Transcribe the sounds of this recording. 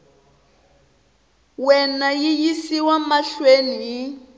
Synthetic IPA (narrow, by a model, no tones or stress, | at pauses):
wɛnajijisiwamaɬweni